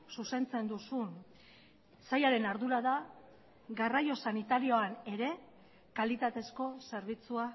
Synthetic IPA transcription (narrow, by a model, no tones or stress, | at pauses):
suse̞nt͡se̞nd̪usun | sajaɾe̞naɾðuɾaða | ɣarajo̞sanit̪aɾio̞ane̞ɾe̞ | kalit̪at̪e̞sko̞se̞ɾβ̞it͡sua